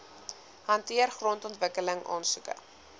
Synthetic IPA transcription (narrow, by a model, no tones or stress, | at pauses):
ɦɐntiərχrɔntɔntvəkələŋʔɑ̰ːnsukə̰